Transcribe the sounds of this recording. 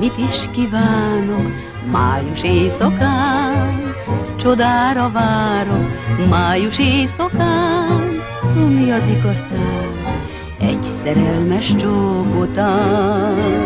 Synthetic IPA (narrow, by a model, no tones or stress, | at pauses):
mit̪iʃkivaːno̞k | maːjuʃeːsɒkaːn | t͡ʃod̪aːɾɒvaːɾokmaːjuʃeːsɒkaːn | sumjɒziɡɒsaːn | ɛ̰ɟsɛɾɛlmɛʃt͡ʃoːkot̪aː